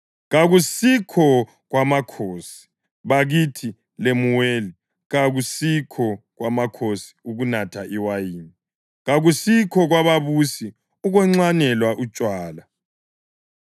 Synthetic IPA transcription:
ɣaɣusikʰɔ | ɣwamakʰoːsi̥ | βaɣitʰi | lemuweːli | ɣaɣusikʰɔɣwamakʰosi̥uɣunatʰaʔiwajiːni | ɣaɣusikʰɔɣwaβaβusi | uɣwɛŋ͡ǀanɛlwaʔut͡ʃʼwaːla

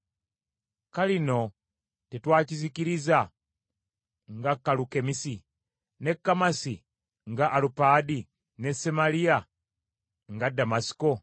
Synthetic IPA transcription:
kalino̞ | tetwaːciziciɾiza | ŋɡakːaluke̞misi | ne̞kːamasi | ŋɡaʔːlupaːdi | ne̞semalia | ŋɡadamasi̥ko̞

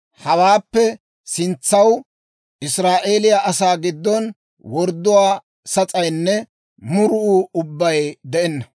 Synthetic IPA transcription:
hɐwaːpːɛ | sɪnt͡sːɐw | ʔɪsɾaːʔeːlɪjaʔɐsaːɡɪd̪ːɔn | wɔɾd̪ːʊwaː | sɐt͡sʼɐjnːɛ | mʊɾʊʔuʊbːɐjd̪ɛʔɛnːɐ

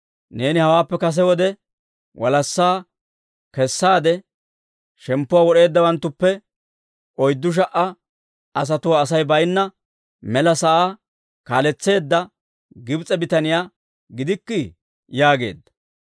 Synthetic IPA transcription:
ne̞ːnɪhɐwaːpːɛkɐs̬ɛwɔd̪ɛ | wʔɐ̰lɐsːaː | kɛsːaːd̪ɛ | ʃɛmpːʊwaːwɔɗe̞ːd̪ːɐwɐnt̪ːʊpːɛ | ʔɔjd̪ːʊʃ̬ɐʔɐ | ɐs̬ɐt̪ʊwaːsɐjbɐjnːɐ | mɛlɐsɐʔaː | kaːlɛt͡sːe̞ːd̪ːɐ | ɡɪbt͡sʼɛbɪt̪ɐnɪjaː | ɡɪd̪ɪkːɪ | jaːɡe̞̰ːd̪ːɐ̥

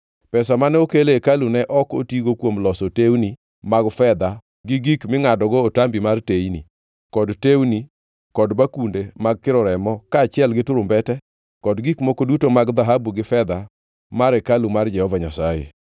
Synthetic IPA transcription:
pɛsamanɛokelekalunɛʔɔko̰tiɡokwomlɔsotewni | maɡfɛd̪a | ɡɪɡikmɪŋadɔɡɔːtambimartejni | kɔdtewni | kɔdbakundemaɡ̚kɪɾɔɾɛmɔkaːt͡ʃɪɛlɡɪtʊɾʊmbɛtɛ | kɔdɡikmɔkodutomaɡd̪aɦabuɡɪfɛd̪a | maɾɛkalumard͡ʒɛhɔvaɲasajḛ

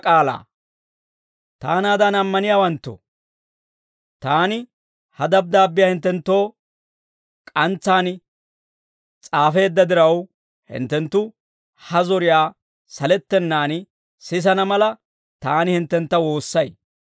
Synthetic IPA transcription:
kʼaːla̰ː | t̪aːnaːd̪ɐnɐmːɐnɪjaːwɐnt̪ːo̰ | t̪aːnɪ | hɐd̪ɐb̚d̪aːbːɪjaːhɪnt̪ːɛnt̪ːo̞ː | kʼɐnt͡sːaːn | t͡sʼaːfe̞ːd̪ːɐd̪ɪɾɐw | hɪ̰nt̪ːɛnt̪ːʊ | hɐzɔɾɪjaː | sɐlɛt̪ːɛnːaːn | sɪs̬ɐnɐmɐlɐ | t̪aːnɪhɪnt̪ːɛnt̪ːɐwo̞ːsːɐj

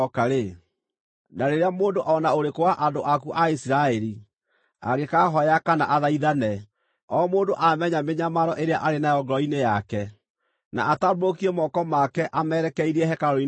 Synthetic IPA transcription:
ɔkaɾe | naɾeɾeamoːndoʔɔnaoɾekowaʔandoʔakuʔaisiɾaɛɾi | a̰ɣekaːɦɔjakana̰ʔaðaiðanɛ | ɔːmoːndoʔamɛɲameɲamaɾɔʔeɾeaʔaɾenajɔɡɾɔinejakɛ | na̰ʔatabokiɛmɔkɔmakɛʔamɛɾɛkɛiɾiɛhɛkaɾɔi

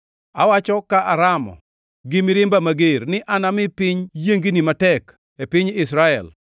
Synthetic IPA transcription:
a̰wat͡ʃɔkaʔaɾamɔ̰ | ɡɪmɪɾɪmbamaɡernɪʔanamɪpɪɲjeŋɡinimatɛk | epɪɲɪsɾaɛ̰l

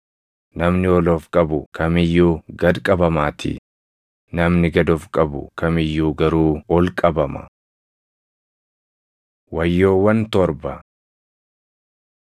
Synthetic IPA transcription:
nɐmnɪɔloːfkʼɐbʊkʰɐmɪjːuːɡɐd̪kʼɐbɐmaːt̪ʰɪ̰ | nɐmnɪɡɐd̪ɔfkʼɐbʊ̰kɐmɪjːuːɡɐɾuːɔlkʼɐbɐmɐ̰ | wɐjːoːwɐnt̪ɔɾbɐ

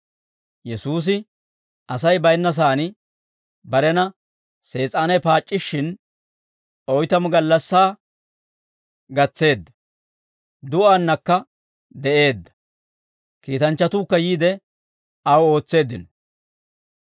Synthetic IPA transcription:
jɛsuːs̬ɪ | ʔɐsɐjbɐjnːɐs̬aːnɪ | bɐɾɛnɐ | se̞ːt͡sʼaːnɛjpaːt͡ʃʼːɪʃːɪn | ɔjt̪ɐmʊɡɐlːɐsːaː | ɡɐt͡sːe̞ːd̪ːɐ̥ | d̪ʊʔanːɐkːɐ | d̪ɛʔe̞ːd̪ːɐ̥ | kiːt̪ɐnt͡ʃːɐt̪uːkːɐjiːd̪ɛ | ɐwo̞ːt͡sːe̞ːd̪ɪnɔ

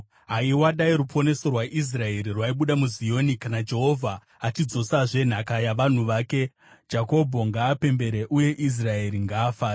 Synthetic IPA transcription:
ɦaiwaɗaiɾupʰo̞ne̞so̞rwaʔis̬rae̞ɾirwaiɓuɗamuzijo̞nikanad͡ʒe̞ɦo̞vʱa | at͡ʃid͡zo̞saʐe̞n̤akajaʋan̤uʋaːke̞ | d͡ʒako̞bʱo̞ŋɡaːpe̞mbe̞ɾe̞ʔuje̞ʔis̬rae̞ɾiŋɡaːfaːɾa

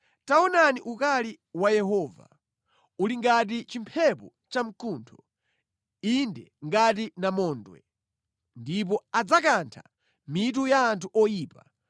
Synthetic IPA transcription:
taɔnaniʔukali | wajɛɦɔːva̰ | uliŋɡat̬it͡ʃimpʰɛpɔ | t͡ʃam̩kuntʰɔ̥ | indɛŋɡat̬inamɔːndwɛ̰ | ndip̬ɔad͡zakantʰa̰ | mit̬ujaːntʰuʔɔjiːpa

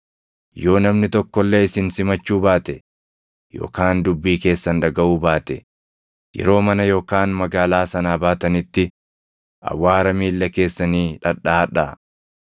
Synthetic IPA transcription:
jo̞ːnɐmnɪt̪ɔkːɔlːe̞ːɪsɪnsɪmɐt͡ʃːuːbaːt̪ɛ | jo̞̰ːkaːnd̪ʊbːiːke̞ːsːɐnᶑɐɡɐʔuːbaːt̪ɛ | jɛ̰ɾo̞ːmɐnɐjo̞ːkaːnmɐɡaːlaːsɐnaːbaːt̪ɐnɪt̪ːɪ | ʔɐ̰wːaːɾɐmiːlːɐke̞ːsːɐniːᶑɐᶑaːɐᶑa

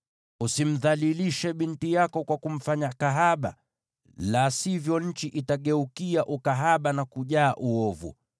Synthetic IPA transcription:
usim̩ðaliliʃɛɓintijakɔkwakum̩faɲakaɦaɓa | lasivjɔɲ̩t͡ʃiʔitaɠɛukiaʔukaɦaɓanakuʄaːʔuɔvṵ

